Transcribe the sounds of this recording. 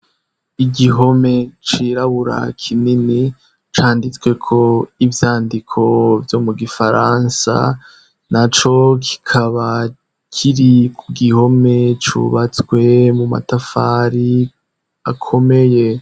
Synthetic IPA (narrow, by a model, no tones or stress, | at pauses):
iɡiɦo̞me̞t͡ʃiɾaβuɾa̰kʰinini | t͡ʃaːndit͡swe̞kʰo̞ivjaːndikʰo̞vjo̞muɡifaɾansa̰ | nat͡ʃo̞kʰi̥kʰaβa | kʰiɾikʰuɡiho̞me̞t͡ʃṵβat͡skwe̞muma̰tafaːɾi | akʰo̞me̞je̞